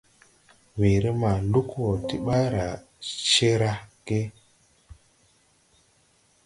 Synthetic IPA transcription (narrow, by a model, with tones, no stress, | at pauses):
we˨ɾə˦ma˨lu˦kwo˨ti˦ɓa˦ɾa˨ | t͡ʃe˦ɾa˦ke˦